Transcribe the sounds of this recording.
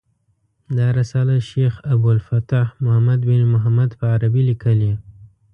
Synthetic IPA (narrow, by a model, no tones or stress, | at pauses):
d̪ɑɾasɑlaʃexabalfat̪ahmʊhamad̪bɪnmʊɦamad̪pəaɾabilikəlje